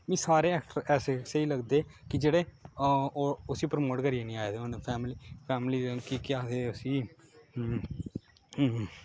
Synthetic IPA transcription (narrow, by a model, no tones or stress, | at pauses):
mĩːsaːɾeːɛːkʈəɾɛːseseiːləɡd̪eːkɪd͡ʒeːɽeː | oʊsiːpəɾəmoːʈkəɾiːeːnĩːaːeːd̪eːonepʰɛːmliːpʰɛːmliːd̪ẽkiːkɪjaːseːʊsiː